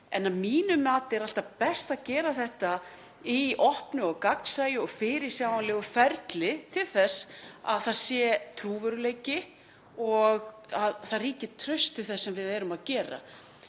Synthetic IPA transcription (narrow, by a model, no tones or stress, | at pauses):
ɛnːaðmiːnʏmaːt̪ɪɛɾal̥t̪apɛst̪aðcɛːɾaθɛht̪a | iʔɔhpnʏɔɣkaksaːjʏɔɣfɪɾɪ̥sjaːwanlɛːɣʏfɛɾt̪lɪt̪ʰɪlθɛsa̰ðθaðsjɛt̪ʰɾuːvœɾʏleːjcɪ | ɔɣaðθariːcɪt̪ʰɾœɥst̪ʰɪlθɛsːɛmvɪðɛːɾʏmaðcɛːɾa̰